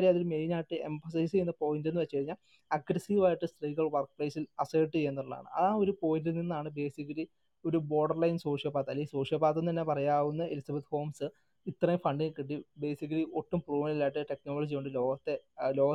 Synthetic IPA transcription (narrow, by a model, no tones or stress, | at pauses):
ɾieɐðilmejnaːjiʈːɨe̞̰mfɐs̬ɐjsɨenːɨpo̞ːɣindenːɨʋet͡ɕːukɐɻiɲːaːl | ɐɡrɐsiʋaːjiʈːɨsʈriːɣɐɭʋɐrk̚prɐjsilɐseːʈːɨenːɐuɭːa̰ːɳɨ̰ɐ̰ðaːo̞ɾupo̞ːjiininːaːɳɨbe̞ːsikːɐli | o̞ɾubo̞ːɖɐrlɐjnso̞ːʂjɐpaːt̪ːɐlːeso̞ːʂjɐpaːt̪ːonːt̪ɐnːepɐrɐjaːʋunːɐelisɐbet̪ho̞ːmsɨ | it̪rɐjufɐɳɖiŋkːiʈ̬ːibe̞ːsik̬ːɐliʔoʈːumpruːmlilːaːjʈːɨʈe̞knoːlɐd͡ʑio̞ɳɖɨlo̞ːɡɐt̪ːe̞lo̞ːɣɐ